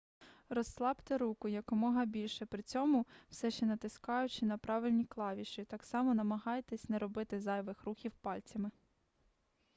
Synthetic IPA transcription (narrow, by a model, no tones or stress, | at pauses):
rɔsːlˠɑbt̪ɪɾukʊjɐkɔmɔɦɐbʲilʲʃɛpɾɪt͡sʲɔmʊw̥sɛʃt͡ʃɛnɐt̪ɪskɑjʊt͡ʃɪnɐpɾɑʋɪlʲnʲiklˠɑʋʲiʃɪt̪ɑksɑmɔnɐmɐɦɑjt̪ɛsʲnɛɾɔbɪt̪ɪzɑjʋɪxruxʲiwpɑlʲt͡sʲɐmɪ